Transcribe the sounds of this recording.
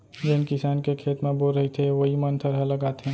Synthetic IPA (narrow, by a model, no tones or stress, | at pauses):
d͡ʒenkɪsaːnkekʰeːt̪mẽboɾəɦit̪ʰeʋəɦimənt̪ʰəɾɦɐləɡaːt̪ɦɛ̃ː